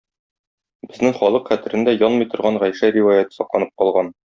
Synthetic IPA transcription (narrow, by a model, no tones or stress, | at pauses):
bɘ̆znɘŋχɒlˠɤqχæt̪ɘ̆ɾɘ̆nd̪æjɒlˠmɤjt̪ŏɾʁɑɴʁæjʃæɾiwajæt̪ɤ̥sɒqlˠɑnɤp̚qɒlˠʁɑn